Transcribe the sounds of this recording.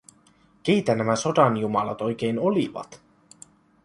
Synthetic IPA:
k̟ejt̪ænæmæso̞dɑnjumɑlɑt̪o̞jk̟e̞jno̞liʋɑ̰t̪

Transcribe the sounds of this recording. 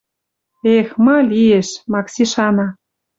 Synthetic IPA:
exmɤ̆lieʃmɑksiʃɑnɑ

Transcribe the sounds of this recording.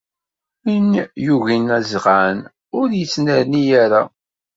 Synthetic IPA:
injuʝinæzʁan | ʊɾjət͡sːnəɾnijaɾa

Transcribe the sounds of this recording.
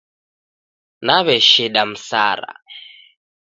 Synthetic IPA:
naβɛʃiɗam̩sa̰ɾa̰

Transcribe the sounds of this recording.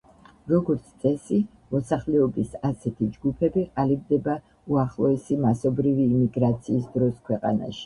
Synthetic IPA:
ɾɔɡɔɾt̪sʰt̪sʼɛsi | mɔsaχlɛɔbisasɛt̪ʰid͡ʒɡupʰɛbiqʼalib̚d̪ɛba | uaχlˠɔɛsimasɔbɾiviːmiɡɾat̪sʰiːsd̪ɾɔskʰwɛqʼa̰na̰ʃi̥

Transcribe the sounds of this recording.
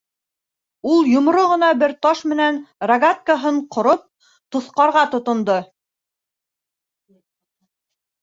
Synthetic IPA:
ulˠjŏmɾoʁɤ̆nɑbɘɾt̪ɑʃmɘ̆nænrɐɡat̪̚kaɦɤɴqʰŏɾop̚ | t̪ŏθqɑɾʁɑt̪ŏt̪ŏnd̪ɤ

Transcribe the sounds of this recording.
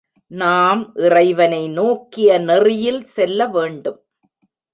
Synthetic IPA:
naːmʔɪrɐɪʋɐnɐɪnoːkːɪjɐnɛrɪjɪlsɛlːɐʋeːɳɖɯm

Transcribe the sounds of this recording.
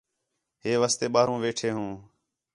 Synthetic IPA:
ɦeːʋaːst̪eːɓaːɾũːʋeːʈʰeːɦũː

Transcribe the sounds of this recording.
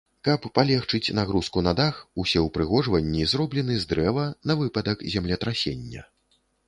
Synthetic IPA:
kɐpːalʲɛxt͡ʂɨt͡sʲnaɣɾuskunad̪axusʲɛwpɾɨɣɔʐvɐnʲːizrɔblʲɛn̪ɨzd̪ɾɛvɐnɐvɨpɐd̪ɐkzʲamlʲɛt̪ɾasʲḛnʲːɐ̰

